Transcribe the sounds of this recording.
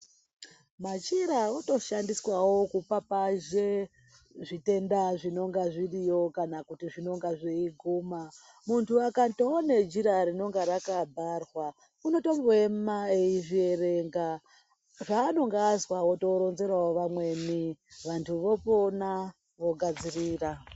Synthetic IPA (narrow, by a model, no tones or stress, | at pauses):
mat͡ʃiɾaoto̞ʃandiswawo̞kupapaʒe | ʐite̞ndaʐino̞ŋɡaʐirijo̞kanakutiʐino̞ŋɡaʐeiɡʱuma | muntuakatoone̞d͡ʒiɾaɾino̞ŋɡaɾakabʱarwa | uno̞to̞mboemmaeiʐie̞re̞ŋɡa | ʐaːno̞ŋɡaːzwaoto̞ɾo̞nze̞ɾwawoʋamwe̞niʋantʰuʋo̞pona | ʋo̞ɡʱad͡ziriːra